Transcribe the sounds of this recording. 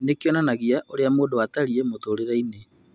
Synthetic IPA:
nekeɔnanaɣiaʔoɾeamoːndoataɾiemotoɾeɾaine

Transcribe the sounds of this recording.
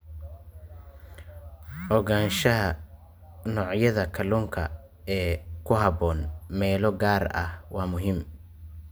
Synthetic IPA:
ʔɔɣaːnʃɐɦɐ | nɔːʕjɐðɐkʰɐluːŋkʰɐ̰ | ɛːkʰʊɦɐβɔːnmɛːlɔɡaːrɐ̰hwɑːmʊɦɪm

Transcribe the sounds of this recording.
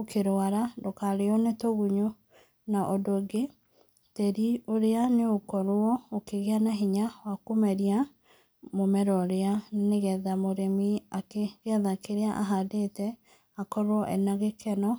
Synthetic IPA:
okʰeɾoaɾadokaɾeonetoɣuɲo | naʔɔdoɡe | tɛɾioɾeaneokɔɾwɔokeɣeanaɦiɲawakomɛɾia | momɛɾɔɾeaneɣɛðamoɾemiakeɣɛðakeɾeaʔa̰ɦadetɛ | akɔɾwɔʔɛ̰naɣekɛnɔ

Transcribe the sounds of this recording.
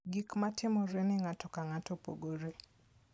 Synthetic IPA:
ɡikmatʰɪmɔɾenɪŋatɔkaŋatɔpo̰ɡoɾe

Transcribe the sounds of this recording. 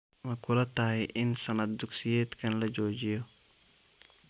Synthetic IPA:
mɐkʰʊlɐt̪ɐhɛʔɪnsɐnɐt̪̚d̪uksijɛːt̪kʰɐnlɐd͡ʒoːd͡ʒijɔ

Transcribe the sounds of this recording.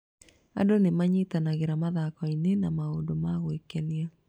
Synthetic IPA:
a̰donemaɲitanaɣeɾamaðakɔinenamaodomaɣwekɛnia

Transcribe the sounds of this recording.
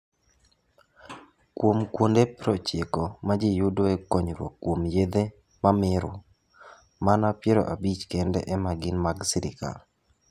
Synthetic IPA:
kwomkwondepɾot͡ʃekomad͡ʒijʊdoɛkoɲɾwo̰kːwomjed̪e | mamɪɾʊ | manapjeɾo̰ʔabit͡ʃkendɛ̰ʔɛmaɡɪnmaɡsiɾɪ̰ka̰l

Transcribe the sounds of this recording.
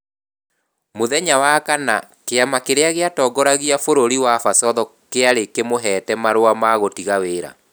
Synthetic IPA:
moðɛɲawakana̰ | keamakeɾeaɣeatɔːɡɔɾaɣiafoɾoɾiwafasɔðɔkeaɾekemoɦɛtɛmaɾoamaɣotiɣaweːɾa̰

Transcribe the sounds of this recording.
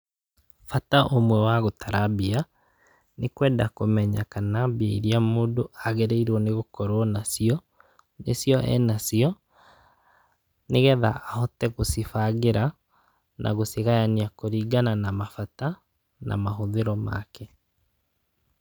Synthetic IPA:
fataʔomwɛwaɣotaɾabia | nekwɛdakomɛɲakanabiaiɾiamoːdoʔaɣɛɾeiɾwɔneɣokɔɾwɔnasiɔ | nesjɔʔɛ̰nasiɔ | neɣɛða̰ːhɔtɛɣosifaɣeɾʔa | nʔa̰ɣoseɣajaniakoɾiːɡananamafata | nʔa̰maɦoðeɾɔma̰kɛ

